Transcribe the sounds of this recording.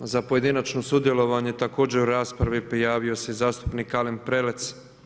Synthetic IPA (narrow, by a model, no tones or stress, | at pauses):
zapo̞je̞d̪inat͡ʃno̞sud̪je̞lo̞ʋaɲe̞t̪ako̞ːd͡ʑeuɾaːspɾaʋipɾijaːʋio̞sejzaːst̪u̥pnikalempɾelet̪s